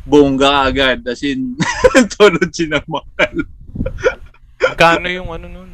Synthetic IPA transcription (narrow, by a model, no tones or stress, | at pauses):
boŋɡɐɐʔɐɡad̪̚ɐsɪnt̪ʰolod̪̚t͡ʃɪnɐŋmɐkɐl | ɡaːnojʊŋɐnonon